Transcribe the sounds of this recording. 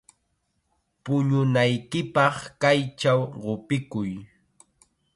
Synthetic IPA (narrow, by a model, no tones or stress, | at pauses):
pʊɲʊnajkɪpɑχkajt͡ʃawɢopɪkʊj